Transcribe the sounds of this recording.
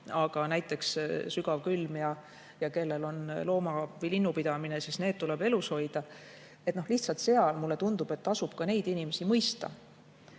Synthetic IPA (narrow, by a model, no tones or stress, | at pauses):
ɑɡ̥ɑnæjt̪ːˑe̞kssyɡ̥ɑvkylmjɑ | jɑke̞lːe̞lo̞nlo̞ːmɑvjlinːupid̪ɑmine̞sist̪ne̞ːt̪̚t̪ule̞b̥e̞lusho̞jd̪̥ɑ | e̞t̪ˑno̞hliht̪sɑlt̪se̞ɑlmulːe̞t̪und̪̥ub̥e̞t̪ːɑsub̥̚kɑne̞jd̪inime̞simɤjst̪ɑ̰